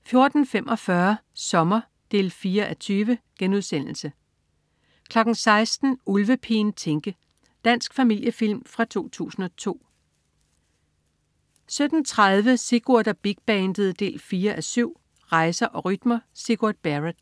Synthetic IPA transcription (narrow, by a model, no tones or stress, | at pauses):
fjo̝ɐd̥n̩femʔɒ̽fɶɐsɒ̽mɐ | d̥e̝̰ːlfiːɐʔæt͡sʰyːʋəɡ̥enuð̞ˠsen̰l̩sə | kʰlɒ̽ɡ̥n̩sɑ̈ɪsd̥n̩ulʋəpʰent͡sʰeŋɡ̥ə | d̥æn̰sɡ̥fæmil̰jəfil̰mfʁɑ̈t͡sʰo̝̰ːt͡sʰṵːsn̩ɒ̽t͡sʰo̝̰ː | sød̥n̩t͡sʰʁɑð̞ˠʋəsiɡ̥oɐd̥ɐb̥iɡ̥̚b̥ɛnd̥əð̩ˠd̥e̝̰ːlfiːɐʔæsyʊ̰ | ʁɑ̈ɪsɐʔɒ̽ʁyd̥mɐsiɡ̥uɐd̥̚b̥æʁəd̥